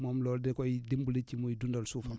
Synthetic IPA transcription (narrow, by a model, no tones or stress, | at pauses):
mɔmlɔldɛkɔjdimbulit͡ʃimuidundalsufam